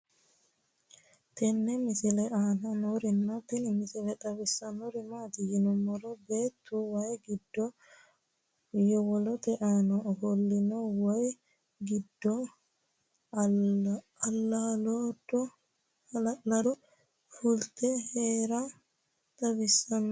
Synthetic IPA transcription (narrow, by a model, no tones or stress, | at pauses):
t̪ɛnːɛmɪsɪlɛʔaːnɐnɔɾɪnːat̪ɪnɪmɪsɪlɛt̪ʼɐbɪsːɐnɔɾɪmaːt̪ɪjɪnɔmːɔɾɔbeːt̪ːuwɐjɡɪd̪ːɔ | jɔwɔlɔt̪ɛʔanɔhɔlːɪnɔwɔj | ɡɪd̪ːɔ | ɐlːalɔdɔ | lɐɾɔ | fʊlt̪ɛheːɾɐ | t̪ʼɐbɪsːɐnːɔ